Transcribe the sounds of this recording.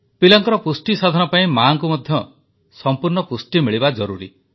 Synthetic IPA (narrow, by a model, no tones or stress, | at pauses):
pilɔŋkɔɾɔpusʈisad̪ʱɔnɔpaĩmaŋkumɔd̪ʱjɔ | sɔmpuɾɳɔpusʈimiɭibad͡ʒɔɾuɾḭ